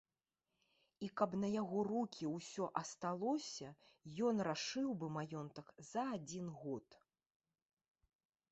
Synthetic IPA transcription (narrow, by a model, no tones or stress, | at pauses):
ikɐpnɐjaɣɔrukʲiwsʲɔʔɐst̪alˠɔsʲɐ | jɔnraʂɨwbɨmajɔnt̪ɐkzɐad͡zʲinɣɔt̪